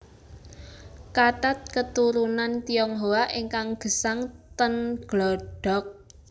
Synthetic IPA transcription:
kat̪at̪̚kət̪uɾunant̪ijɔŋɦowaʔiŋkaŋɡ̥ə̤saŋt̪ənɡ̥lɔɖ̥ɔ̤k̚

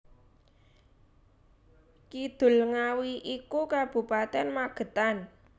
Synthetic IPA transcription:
kid̪̥ʊ̤lŋawiʔikukab̥ṳpat̪ɛnmaɡ̥ə̤t̪an

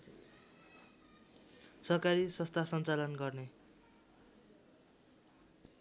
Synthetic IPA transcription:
sʌrkaɾisʌst̪ʰasʌnt͡salʌnɡʌrne

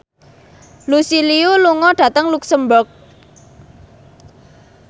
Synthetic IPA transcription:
lusiliuluŋɔɖ̥ä̤t̪əŋluksəmbʊrk̚

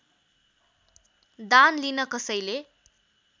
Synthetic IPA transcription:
d̪anlinʌkʌsʌjle

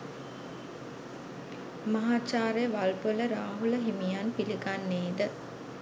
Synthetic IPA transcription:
mɐɦaːt͡ʃaːɾejəʋalpələɾaːɦuləɦimijanpiliɡanːeːd̪ə

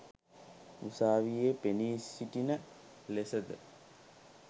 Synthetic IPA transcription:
usaːʋijepeniːsiʈinə | lesəd̪ə

